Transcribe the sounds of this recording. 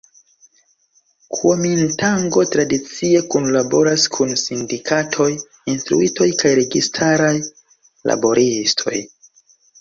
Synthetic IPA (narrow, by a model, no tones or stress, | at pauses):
kʰuomintaŋɡo̞tɾadit͡sie̞kunlabo̞ɾaskʰunsindikatʰo̞j | instɾṵito̞jkajɾe̞ɡistʰaɾaj | la̰bo̞ɾistʰo̞̰j